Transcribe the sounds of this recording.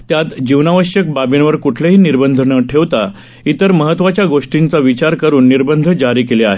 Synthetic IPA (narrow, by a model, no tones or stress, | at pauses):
t̪jat̪d͡ʑiʋnaʋəɕjək̚babjenʋəɾkuʈʰleɦiːniɾbənd̪ʱəɳəʈʰeʋt̪a | it̪əɾməɦət̪ʋat͡ɕjaɡoʂʈint͡saʋit͡ɕaɾkəɾuːnːiɾbənd̪ʱəd͡ʑaɾiːkeleaɦe